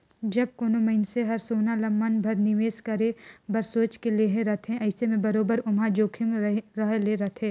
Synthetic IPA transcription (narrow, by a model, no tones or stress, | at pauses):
d͡ʒɐb̚koːnomɐɪnseɦɐɾsoːnalɐmːənbʱɐɾnɪʋeːskɐɾebɐɾsoːt͡ʃkeleːɦẽɾɐt̪ʰɦẽʔɐɪsemẽbɐɾoːbəɾʊmad͡ʒoːkʰɪmɾɐɦleɾɐt̪ʰẽː